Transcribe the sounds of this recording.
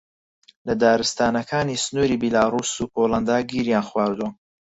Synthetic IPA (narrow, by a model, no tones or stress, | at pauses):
lɐd̪aːɾɨst̪aːnɐkʰaːniːsnuːɾiːbilaːɾuːsuːkʰolˠɐnd̪aːɡiɾjaːnxwaːɾd̪uɐ